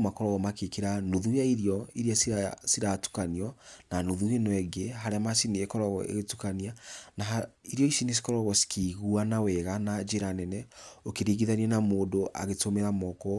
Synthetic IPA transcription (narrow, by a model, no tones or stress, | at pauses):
makɔɾɔɣɔmakekiɾanuðujaiɾiɔiɾiassiɾatu̥kaniɔnanuðuenɔɛɡeɦaɾeamasiniekɔɾɔɣɔ̰ḛɣetukanianaiɾjɔisinis̬i̥kɔɾɔɣɔsi̥kiːɣuanawɛɣanad͡ʒeɾanɛnɛokeɾiːɣiðaniɛnamoːdoʔa̰ɣetomɛɾamɔkɔ